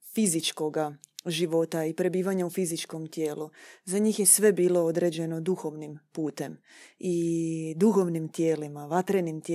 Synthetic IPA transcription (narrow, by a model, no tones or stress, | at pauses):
fizit͡ʃko̞ɡaʒiʋo̞t̪aipɾe̞biːʋaɲaufizit͡ʃko̞mt̪je̞ːluzaɲiːxje̞sʋe̞biːlo̞od̪ɾe̞d͡ʑe̞no̞d̪uxo̞ʋnimpuːt̪e̞m | id̪uxo̞ʋnimt̪je̞ːlimaʋat̪ɾenimt̪e